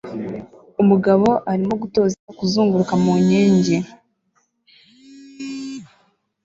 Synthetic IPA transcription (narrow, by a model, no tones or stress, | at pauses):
umuɡaβo̞ʔaɾimo̞ɡuto̞ːzakuzuːŋɡuɾukamuɲeːɲɟe̞